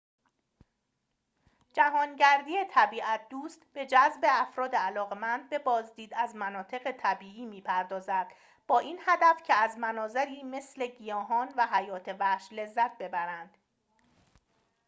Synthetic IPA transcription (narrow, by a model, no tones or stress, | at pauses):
d͡ʒæɦɒːnɟæɾd̪iːjet̪ʰæbiːʔæt̪̚ʰd̪uːst̪b̥e̞d͡ʒæzbe̞æfɾɒːd̪eælɒːɣemænd̪̚be̞bɒːzd̪iːd̪æzmænɒːt̪ʰe̞ɣe̞t̪ʰæbiːʔiːmiːpʰæɾd̪ɒːzæd̪̥ | b̥ɒːʔiːnhæd̪æfcʰe̞æzmænɒːzeɾiːme̞sle̞ɟijɒːɦɒːnvæɦæjɒːt̪ʰe̞væhʃle̞zːæt̪̚ʰbe̞bæɾænd̪̥